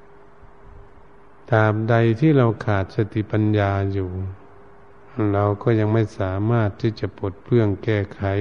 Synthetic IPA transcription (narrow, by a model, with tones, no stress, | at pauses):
t̪aː˨˧˩m̚da˧jt̪ʰiː˥˩˨ɾa˧wkʰaː˨˩t̪̚sa˧t̪i˧˨pa˧njaː˧juː˨˩ | ɾa˧wkɔː˧˩˨ɲa˧ŋma˧˥˩jsaː˩˦maː˥˩t̪ʰːiː˧˥˩t͡ɕa˨˧˦pʰo˨˩t̪̚pʰɯ˥˩əŋkɛː˧˩kʰa˨˦